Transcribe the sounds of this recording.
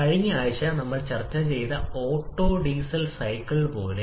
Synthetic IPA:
kɐɻiŋːiaːʋɐɕɐnɐmːɐɭt͡ɕɐrt͡ɕːɐt͡ɕe̞jt̪ɐo̞ːʈːo̞ːɖiːsɐlsɐjkːɐɭpo̞ːle

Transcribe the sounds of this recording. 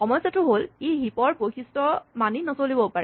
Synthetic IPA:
xɔmɔjsjatʊɦoliɦipɔɹpokʰistɔmaninasolibɔpaɹɛ

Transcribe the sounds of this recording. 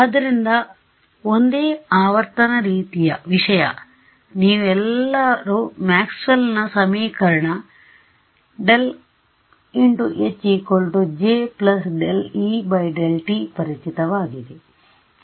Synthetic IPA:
ɐd̪ɐɾind̪ɐ | ond̪eːaːʋɐɾt̪ɐnɐɾiːt̪ijɐʋiʂɐjɐ̰ | niːʋɛlːɐɾumaːksʋɐlnɐsɐmiːkɐɾɐɳɐ | ɖel | iɳʈuʔet͡ʃikolʈud͡ʒeːplɐsɖelibɐjɖelʈipɐɾit͡ʃit̪ɐʋaːɡid̪e

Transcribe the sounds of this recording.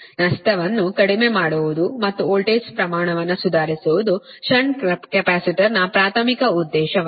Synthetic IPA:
nɐst̪ʰɐʋɐnːukɐɽime̞ːmaːɽuʋud̪umɐt̪ːuoːlʈeːspɾɐmaːɳɐʋɐnːɐsud̪ʱaːɾisuʋud̪u | ʃɐɳɖɐkɐpaːsiʈɐɾnɐpɾaːt̪ʰɐmikɐud̪ːɛːʃɐ

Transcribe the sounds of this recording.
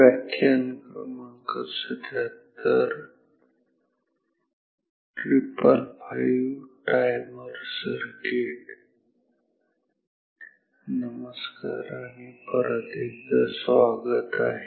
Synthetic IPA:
ʋakʰːjaŋkɾəməŋkəsəd̪ʱjat̪əɾ | ʈɾipəlpʰajuʈajməɾsəɾkeʈ | nəməska̰ɾañipəɾəd̪iɡd̪asʋaɡət̪aɦe

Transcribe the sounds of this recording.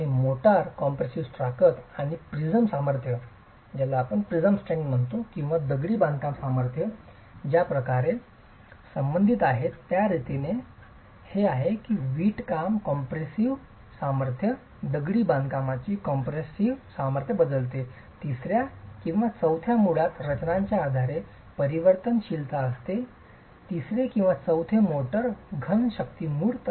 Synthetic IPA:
ãimoʈaɾkɔmpɾesiʋsʈɾakət̪aɽ̃ipɾid͡zəmsaməɾt̪ʰjə | d͡ʑalaːpəɳpɾid͡zəmsʈɾeŋɡm̤əɳt̪okĩw̃ʋad̪əɡɽiːbãnd̪̚kamsaməɾt̪ʰjə | d͡ʑjapɾəkaɾe | səmbənd̪ʱit̪aɦet̪ːjaɾit̪ine | heaɦekiːʋiːʈkamkɔmpɾesiʋ | saməɾt̪ʰjə | d̪əɡɽiːband̪ʱkamat͡ɕiːkɔmpɾesiʋsaməɾt̪ʰjəbəd̪əlt̪e | t̪isɾjakĩw̃ʋat͡səwt̪ʰjamuɭat̪ɾət͡ɕnaɲt͡ɕjaːd̪ʱaɾe | pəɾiʋəɾt̪ənɕilt̪aəst̪e | t̪isɾekĩw̃ʋat͡səwt̪ʰemoʈəɾɡʱənɕəkt̪iːmuːɽt̪

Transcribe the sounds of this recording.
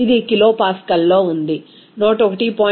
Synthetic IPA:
id̪ikilo̞ːpaːskɐlːo̞ːund̪i | noːʈɔkɐʈipoː

